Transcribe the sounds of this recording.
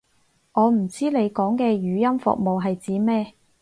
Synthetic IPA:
ŋʔɔː˨˧m̩˨˩t͡siː˥le˨˧jkɔː˨˥ŋkɛː˧jyː˨˧jɐ˥mfʊ̰˨k̚mo˨wɦɐ˨jt͡siː˨˥mɛː˥

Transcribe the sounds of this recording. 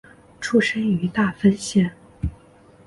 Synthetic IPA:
ʈ͡ʂʰu˥ʂə˥ny˧˥t̪a˥˩fə˥nɕjɛ˥˩n

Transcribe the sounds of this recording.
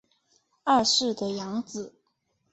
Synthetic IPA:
ɐ˥˧ʂɻ̩˥˩d̪ə˩jɑ˧˥ŋd͡zɹ̩˨˩˦

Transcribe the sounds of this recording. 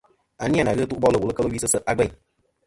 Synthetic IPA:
a˨ni˦a˦na˨ɣɨ˦tu˦ʔbɔ˦lə˦˨wu˨lə˦kə˦lə˦wi˦sɨ˦sə˦ʔa˦ɡ͡bɛ˦˨

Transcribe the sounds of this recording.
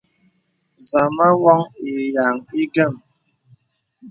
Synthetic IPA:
za˨ma˦wɔ˦ŋi˨ja˨ŋi˦ɡə˦˨m

